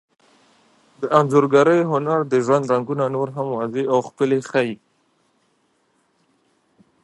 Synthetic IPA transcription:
d̪əʔanzoɾɡaɾəjɦʊnaɾd̪əʒwand̪ɾaŋɡunanoɾɦamwɑzeawxpəlexaji

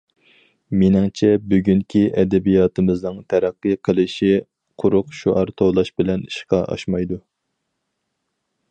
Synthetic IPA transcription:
mɪnɪŋt͡ʃʰɛbyɡʲyŋkʲʰiʔɛd̪ɛbijɑːt̪ʰɨmɨznɨŋt̪ʰæɾæqːɨqʰəlˠɨʃi | qʰʊɾʊqʃuʔɑɾt̪ʰowlˠɑʃbɪlɛniʃqɑʔɑ̰ʃmɑjd̪u

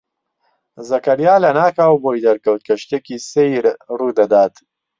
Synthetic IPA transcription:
zɐkɐɾjaːlɐnaːkaːwboːjd̪ɐɾkɐwt̪̚kʰɐʃt̪ekisejɾruːd̪ɐd̪aːt̪

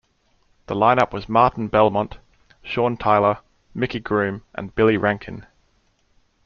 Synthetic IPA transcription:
ðəlãɪ̃nʌpwɒzmɑˑʔn̩bɛlˠmɑ̃nʔ | ʃɔːntʰeɪlˠə | mɪkiɡɹʉ̃ːmʔə̰̃nbɪlˠiɹʔæ̃ŋkʰə̃n

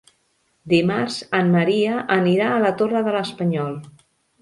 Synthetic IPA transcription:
d̪imarzəmməɾiəʔəniɾaːlət̪orəðələspəɲɔlˠ

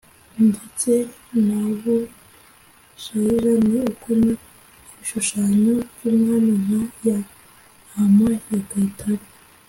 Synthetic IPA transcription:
ndit͡se | naβu | ʃaiɾaneukuma | iʃuʃaːɲojumŋanumaja | hamajakatʰaɾi

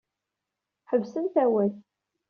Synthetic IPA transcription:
ħəvsənθæwæθ

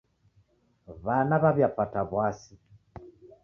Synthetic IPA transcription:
βanaβaβjapataβwasi

